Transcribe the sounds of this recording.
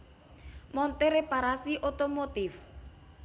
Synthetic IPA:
mɔnt̪eɾepaɾasiʔot̪omot̪ɪf

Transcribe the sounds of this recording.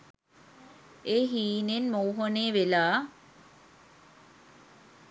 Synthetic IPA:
eɦiːnenmowɦoneːʋelaː

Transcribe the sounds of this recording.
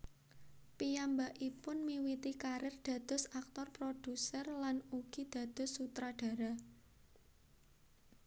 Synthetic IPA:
pijambaʔipʊnmiwit̪ikaɾɪrd̪̥a̤d̪̥ʊ̤sak̚t̪ɔrpɾod̪̥usərlanuɡ̥i̤d̪̥ä̤d̪̥ʊ̤sːut̪ɾaɖ̥ä̤ɾa

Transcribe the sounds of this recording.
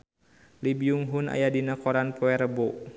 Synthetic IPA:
libiuŋɦuna̰jadinakɔɾanpɔɛɾəbɔ

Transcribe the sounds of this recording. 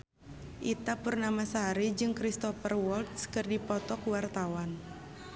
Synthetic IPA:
ʔit̪apurnamasaɦaɾid͡ʒɨŋkɾist̪ɔfərwɔlt̪skɨrdipɔt̪ɔkuwart̪awan

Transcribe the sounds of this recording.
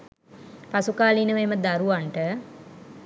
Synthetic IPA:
pasukaːlinəʋeməd̪aɾuʋaɳʈə

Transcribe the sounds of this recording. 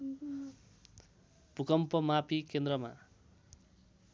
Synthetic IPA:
pukʌmpʌmapʰikend̪rɾʌma̰

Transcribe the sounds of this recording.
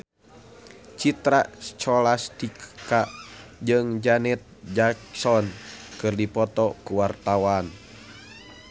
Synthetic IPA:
t͡ʃit̪ɾat͡ʃɔlast̪ikkaʔd͡ʒɨŋd͡ʒanɛt̪̚d͡ʒaksɔnkɨrdipɔt̪ɔkuwart̪awan

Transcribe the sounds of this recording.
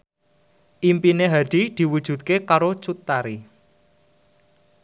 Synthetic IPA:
ʔimpineɦaɖ̪̥i̤d̪̥i̤wud̥ʒ̥ṳd̪̚kekaɾot͡ʃut̪ːaɾi

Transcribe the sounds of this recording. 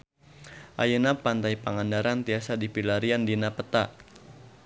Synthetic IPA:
ʔa̰jənapant̪ajpaŋandaɾant̪iasadipilaɾiandinapət̪a

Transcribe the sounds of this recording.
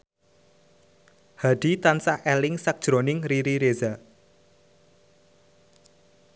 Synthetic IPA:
haɖ̥it̪ansahɛlɪŋsak̚d̥ʒ̥ɾonɪŋriɾiɾeza

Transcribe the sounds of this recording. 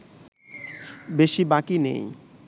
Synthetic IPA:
beʃibakinḛj

